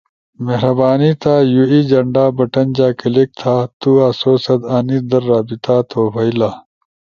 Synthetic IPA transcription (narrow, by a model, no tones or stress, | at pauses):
meɦɾɐbaːnit̪aːjuiːd͡ʑɐɳɖaːbɐʈɐnd͡ʑaːkɐlek̚t̪ʰaːt̪uːaːsoːsɐd̪aːnid̪ɐɾːaːbit̪aːt̪ʰoːfɐilaː